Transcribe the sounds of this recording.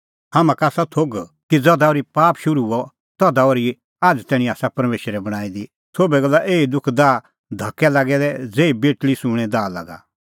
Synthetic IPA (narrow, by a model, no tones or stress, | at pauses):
hamãkaːsat̪ʰoːɡkid͡zɐd̪aoːɾipaːpʃʊɾuɔ | t̪ɔd̪aoɾi | aːd͡ʒt̪ɛːɽ̃ĩaːsapɐɾmeːʃəɾɛbɐɽ̃aːid̪i | sʰoːbɛɡɐlaʔeːid̪ʊkʰd̪aː | d̪ʱɐkːɛlaːɡɛd̪ɛd͡zeːibeːʈlisʊ̃ɽ̃ɛ̃d̪aːla̰ːɡa̰